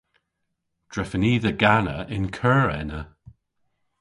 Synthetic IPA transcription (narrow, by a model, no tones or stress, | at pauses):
d̥ɹɛfəniːðəɡanə̰ʔɪnkʰɜːɹɛnə